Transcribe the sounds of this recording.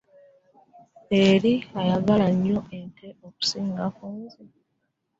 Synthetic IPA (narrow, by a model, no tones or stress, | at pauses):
e̞ɾiajaɡalaɲːo̞ʔentʰe̞oku̥siːŋɡakuːnzi